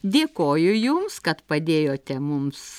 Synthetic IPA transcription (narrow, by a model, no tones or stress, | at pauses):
d̪ʲeːkoːjʊjʊmskɐt̪pɐd̪ʲeːjoːt̪ʲɛmʊms